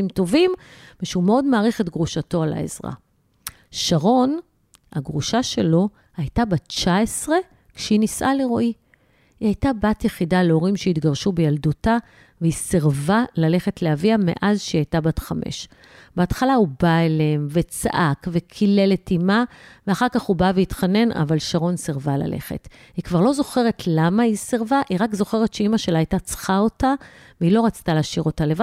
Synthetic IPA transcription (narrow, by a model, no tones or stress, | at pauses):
imto̞vimveʃeumeodmaːʁeχetɡʁuʃato̞ala̰ḛzʁa̰ | ʃaʁo̞n | ha̰ɡʁuʃaʃe̞lo̞ | ajtabatt͡ʃaesʁe̞ | kʃeinisʔaleʁo̞ʔi | ihajtabatjeχidaleo̞ʁimʃeitɡaʁʃubejalduta | veisiʁvalale̞χe̞tleaviame̞̰ʔazʃeiajtabatχamʔḛʃ | b̥eatχalaubaeleemve̞t͡saʔakve̞kʰile̞le̞timaveaχaʁkaχhubaveitχane̞na̰valʃaʁo̞nsiʁvala̰le̞̰χe̞̰t | hikvaʁlo̞zo̞χe̞ʁe̞tʰlamaisiʁvaʔiʁakzo̞χe̞ʁetʃeimaʃe̞laajtat͡sχao̞ta | veilo̞ʁat͡st̪aleːʃiʁo̞taleva